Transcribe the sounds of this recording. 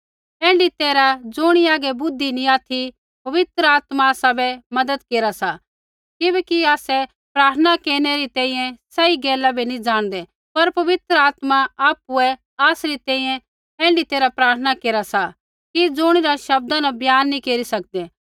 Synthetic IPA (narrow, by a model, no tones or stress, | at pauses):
ɛ̃ːɳɖit̪eːɾad͡zʊːɽ̃iaːɡɛbʊd̪ʱːinĩaːt̪ʰi | pɐʋɪt̪ɾəaːt̪maaːsabɛmɐd̪əd̪keːɾasa | kɪbɛːkiaːsɛ | pɾaːɾt̪ʰənakeːɾɽ̃eɾit̪ɛ̃ːĩːjɛ̃sɐiɡɛːlabʱinĩd͡ʒaːɽ̃d̪ɛ | pɐɾpɐʋɪt̪ɾəaːt̪maaːpuɛ | aːsɾit̪ɛ̃ːĩːjɛ̃ | ɛ̃ːɳɖit̪eːɾapɾaːɾt̪ʰənakeːɾasa | kid͡zoːɽ̃iɾaʃɐb̚d̪anabʱjaːnːĩkeːɾisɐk̚d̪ɛ